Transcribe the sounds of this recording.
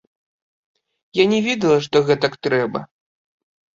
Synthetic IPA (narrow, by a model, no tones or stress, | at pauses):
janʲɛvʲed̪ɐlˠɐʂt̪ɔɣɛt̪ɐkt̪ɾɛbɐ̰